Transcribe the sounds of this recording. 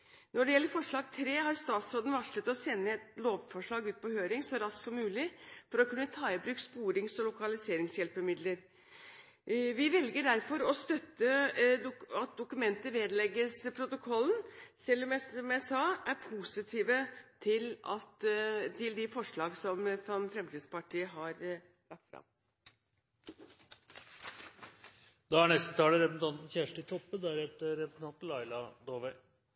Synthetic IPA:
nɔɖɛjɛlːəɾfɔʂɭɑːɡt̪ʰɾeːhɑɾst̪ɑːt̪sɾoːd̪nʋɑʂɭət̪ɔsɛnːəɛt̪loːʋfɔʂɭɑːɡʉːt̪̚pʰɔhøːɾɪŋsɔɾɑsksɔmːʉːlɪfɔɾɔkʰʉnːət̪ʰɑːɪbɾʉːkspuːɾɪŋsɔlʊkɑlɪseːɾɪŋsjɛlpəmɪd̪ləɾ | ʋɪʋɛlɡəɖæɾfɔɾɔst̪œt̪ːə | ɑt̪̚d̪ʊkʉmɛnt̪əʋeːd̪lɛɡːəspʰɾʊt̪ʊkʰɔlːnsɛlːɔmjæɔmjæɪsɑæɾpʰuːsɪt̪ʰiːʋət̪ʰɪlɑt̪ʰɪld̪ɪfɔʂɭɑːɡsɔmfɔmfɾɛmt̪iːd̪spɑʈʰiːəɦɑɾ | lɑk̚t̪fɾɑ̰m | d̪̥ɑæɳɛst̪ət̪ʰɑːləɾɛpəsn̩t̪ʰɑnt̪n̩çæʂʈɪt̪ʰɔpːəd̪æɾheːt̪əɾɛpɾəsn̩ʰɑnt̪n̩lɑɪlɑd̪oːʋæɪ

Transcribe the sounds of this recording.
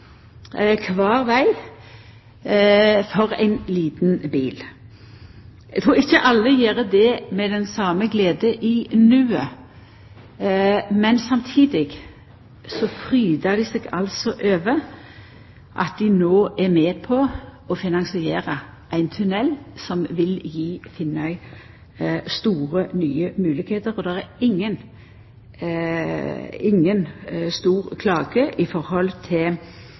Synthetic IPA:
kʰʋɑːʁʋæɪ | fɔʁæ̰ɪnliːt̪nbiːl | ʔɛɡ̚t̪ʰɾuːʁɪçːəʔɑlːəjeːɾəd̪ɛmɛd̪ɛnsɑːməɡleːd̪əʔɪnʉːə | mɛnsɑmt̪ʰiːd̪ɪɡ | sɔfʰʁyːd̪əd̪ɪseːɡɑ̰lsɔʔøːʋə | ʔɑ̰t̪̚d̪ɪnoːʔæɾmeːpʰɔɔfɪnɑŋsɪeːɾə | ʔæɪnt̪ʰʉnɛlːsɔmʋɪljiːfɪnːæɪ | st̪uːʁənyːəmʉːlɪkheːt̪əɾɔd̪ɛʁæɾɪŋːən | ɪŋːənst̪uːʁkʰlɑːɡəʔɪfɔɾhɔlt̪ʰɪl

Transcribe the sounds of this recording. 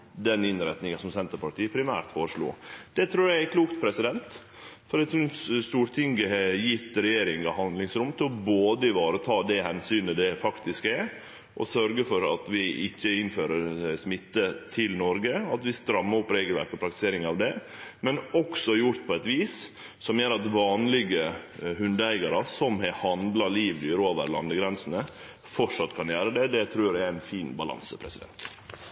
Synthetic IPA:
d̪ɛnɪnɾɛt̪nɪŋənsɔmsɛnt̪əɾpʰɑʈ̪iːəpʰɾɪmæ̰ːɾt̪foːɾəʂɭṵːd̪̥ɛt̪ʰɾuːɾjæækʰluːk̚t̪̚pʰɾɛsɪd̪ɛnt̪ | fɔɾd̪ɛt̪ʰɾʉst̪uːɾt̪ʰɪŋɡəjɪt̪ːɾɛjeːɾɪŋɑhɑnd̪lɪŋsɾʊmt̪ʰɪlɔboːd̪əɪʋɑːɾət̪ʰɑːd̪ɛhɛnsyːnəd̪ɛfɑkt̪ɪskɛ | ʔɔ̰sœɾɡəfɔɾɑ̰t̪ʋɪʔɪçːəɪnføːɾəɾsmɪt̪ːət̪ʰɪlnɔɾɡəɑt̪ʋɪst̪ɾɑmːəɔpːɾeːɡəlʋæ̰ɾkɔpʰɾɑk̚t̪ɪ̥seːɾɪŋɑʋd̪ɛ | mɛnɔksɔjʊɾt̪̚pʰɔɛt̪ʋiːs | sɔmjøːɾɑt̪ʋɑːnlɪɡəhʉnd̪əæɪɡɑɾəsɔmhɛhɑnd̪lɑliːʋlyːɾəoːʋə̰ɾlɑ̰nd̪əɡɾɛnsənə | fɔʂɑt̪ːkʰɑnjæːɾəd̪ɛd̪ɛt̪ʰɾʉːɖɛææɪnfiːnbɑlɑ̰nsəpʰɾɛsɪd̪ɛ̰nt̪

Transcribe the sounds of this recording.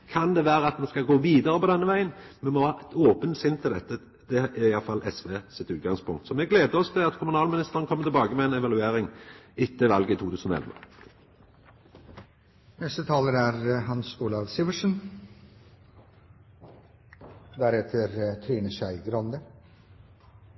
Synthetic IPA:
kʰɑnd̪ɛʋæːɾəɑt̪mɛnskɑɡoːʋiːd̪əɾəpɔd̪ɛnːəʋæɪənmɛmɔʋɑːɛt̪oːpənsɪnt̪ʰːɪld̪ɛt̪ːə | d̪̥ɛæɪjɑlfɑlʔɛsʋeːsɪt̪ʉːt̪̚ɡɑŋspʊŋkt̪sɔmɛɡleːd̪əɔst̪ʰɪlɑt̪kʰʊmʉnɑːlmɪnɪst̪əʁənəkʰɔmːət̪ʰɪlbɑːɡəmɛɛnɛʋɑlʉeːɾɪŋɪt̪ʰːəʋɑlɡəit̪ʰuːt̪ʉːsənɔ̰ɛ̰lʋə̰ | nɛst̪ət̪ʰɑːləɾæɾɦɑnsuːlɑʋsiːʋəʂən | d̪æɾɛt̪ʰəɾt̪ʰɾiːnəʃæɪɡɾɔnd̪ə

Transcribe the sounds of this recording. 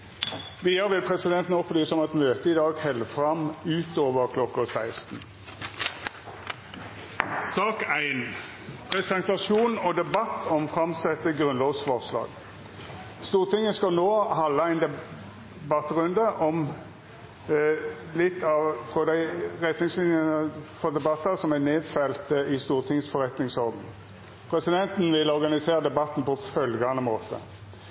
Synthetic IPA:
ʋɪjəɾʋɪlpʰʁɛsɪd̪ɛnt̪nɔpʰbliːsəɔmɛt̪møːt̪əɪd̪ɑːɡhɛləfʁɑmʉːt̪ʰoːʋəʁkʰlɔkːəsæɪst̪n̩ | sɑːkæɪn | pʰʁɛsɛnt̪ɑʃuːnɔd̪ɛbɑt̪ːɔmfʁɑmsɛt̪ːəɡʁʉnlɑːʋsfɔʁslɑ̰ːɡ̥ | st̪uːʁt̪ʰɪŋːəskɑnoːhɑlːəæɪnd̪ɛ | bɑt̪ːʁʉnd̪əʔɔm | lɪt̪ːɑʋfɾɔd̪æɪʁɛt̪nɪŋslɪnjənəfɔd̪ɛbɑt̪ːəsɔmæneːd̪fɛlt̪əɪst̪uːʁt̪ʰɪŋːəsfɔʁɛt̪nɪŋsɔʁd̪n̩ | pʰʁɛsɪd̪ɛnt̪n̩ʋɪlɔʁɡɑnɪseːʁəd̪ɛbɑt̪ːn̩pɔfœlɡɑnəmoːt̪ʰə̰

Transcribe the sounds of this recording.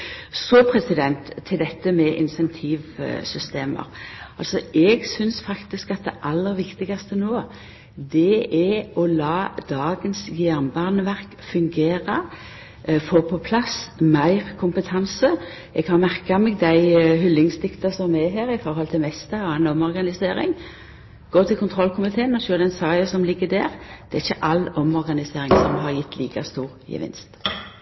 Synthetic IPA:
sɔpʰɾɛsɪd̪ɛnt̪ʰːɪld̪ɛt̪ːəmɛʔɪ̰nsɛnt̪ʰiːʋsʏst̪eːmə̰ɾɑlsɔʔɛɡsʏnsfɑkt̪ɪskɑt̪̚d̪ɛʔɑlːəɾʋɪkt̪ɪɡɑst̪ənoː | d̪ɛɛɔlɑːd̪ɑːɡənsɡɪæʁnbɑːʁnəʋæʁk | fʉŋɡeːɾɑ | foːpʰɔpʰlɑsmæɪʁkʰʊmpət̪ʰɑnsə | ɛɡhɑɾmæʁkɑmeːɡd̪æɪɦʏlːɪŋsd̪ɪkt̪ɑsɔmɛɦeːɾɪfɔɾhɔlt̪ʰɪlmɛst̪əɾɔɛnɔmɔɾɡɑnɪseːɾɪ̰ŋ | ɡ̥oːt̪ʰɪlkʊnt̪ʰʁɔlkʰʊmɪt̪ʰeːənɔçøːd̪ɛnsɑɪɑsɔmlɪɡːəd̪æ̰ːʁd̪̥ɛæɪçəʔɑlɔmɔɾɡɑnɪseːɾɪŋsɔmɦɑɾjɪt̪ːliːkɑst̪uːʁjə̰ʋɪ̰nst̪

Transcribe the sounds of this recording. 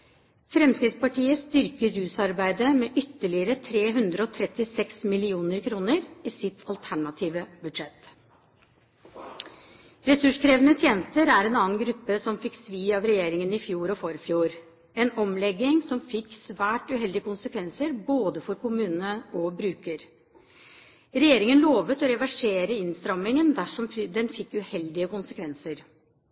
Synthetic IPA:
fɾɛmskɾɪt̪spɑʈʰiːəst̪ʏɾkəɾʉːsɑɾbæɪd̪əmɛʔʏt̪ːəɭɪəɾət̪ʰɾeːɦʉnd̪ɾəɔt̪ʰɾɛt̪ːɪsɛksmɪlɪuːnəɾkʰɾuːnəɾiːsɪt̪ʰɑlt̪ʰæɳɑt̪ʰiːʋəbʉd̪ʂɛt̪ | ɾɛsʉʂkʰɾeːʋənət̪ʰjeːnəst̪əɾæɾɛːnɑːnɡɾʉpːəsɔmfɪksʋiːɑʋɾɛjeːɾɪŋənɪfjuːɾɔfɔɾfjuːɾ | ɛːnɔmlɛɡːɪŋsɔmfɪkːsʋæːʈʉɦɛld̪ɪəkʰʊnsəkʰʋɛnsəɾboːd̪əfɔɾkʰʊmʉːnnəʔɔbɾʉːkəɾ | ɾɛjeːɾɪŋənloːʋət̪ɔɾɛʋæʂeːɾəɪnst̪ɾɑmɪŋənd̪æʂɔmd̪ɛnfɪkːʉhɛld̪ɪəkʊnsəkʰʋɛnsəɾ

